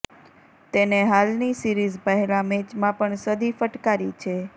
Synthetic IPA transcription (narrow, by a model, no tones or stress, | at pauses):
t̪eneɦalnisiɾizpəɦelamet͡ʃmãpəɳsəd̪ʱifəʈkaɾit͡ʃʰe